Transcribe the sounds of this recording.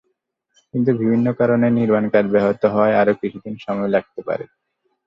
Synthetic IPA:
kint̪̬ubibʱinːokaɾoneniɾmankaɾbɛɦot̪oɦɔeaɾokiʃʰud̪inʃɔmɔelak̚t̪epa̰ɾḛ

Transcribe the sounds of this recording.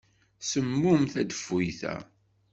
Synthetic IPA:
səmːʊmθæd̪əfːujθæ̰

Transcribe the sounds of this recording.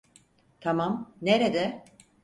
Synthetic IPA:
t̪ʰamamneɾed̪ɛ

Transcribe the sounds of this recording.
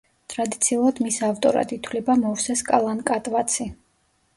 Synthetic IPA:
t̪ʼɾad̪it̪sʰiulˠad̪̥misavt̪ʼɔɾa̰d̪it̪ʰwlɛbamɔvsɛskʼalˠankʼat̪ʼvat̪sʰi

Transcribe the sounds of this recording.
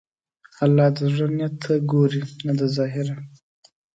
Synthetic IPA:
alːɑd̪əʐanjat̪ʰːaɡoɾinad̪azɑɦɪɾa

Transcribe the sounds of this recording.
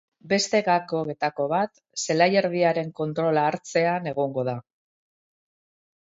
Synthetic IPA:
be̞st̪e̞ɣako̞ɣe̞t̪ako̞βat̪ | se̞lajeɾðiaɾe̞ŋko̞nt̪ɾo̞laːɾt͡se̞ane̞ɣ̞o̞ŋɡo̞ða

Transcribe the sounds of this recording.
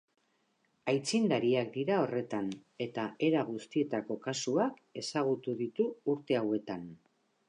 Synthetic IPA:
ajt͡sind̪aɾiak̚d̪iɾao̞re̞t̪ane̞t̪ae̞ɾaɣ̞ust̪ie̞t̪ako̞kasuake̞saɣ̞ut̪uðit̪uːɾt̪e̞awe̞t̪an

